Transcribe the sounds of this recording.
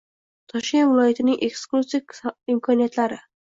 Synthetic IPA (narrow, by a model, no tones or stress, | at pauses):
t̪ʰɒʃkʲenvɪlˠɒjat̪ɪnɪŋʔeksklˠusivɪmkʰɒnijat̪laɾɪ